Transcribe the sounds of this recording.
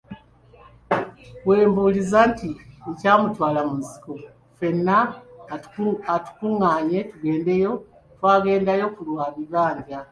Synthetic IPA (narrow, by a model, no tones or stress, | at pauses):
we̞ːmbuːlizaːntiecaːmutwaːlamunzi̥ko | fe̞nːa | atu̥kuŋːaːɲe̞tuɡe̞ːnde̞jo̞ | twaːɡe̞ːndajo̞kulwaːβiβaːɲdja